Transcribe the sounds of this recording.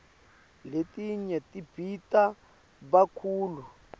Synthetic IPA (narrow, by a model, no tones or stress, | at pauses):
letiɲɛtib̥ʱita | βakʰuːlu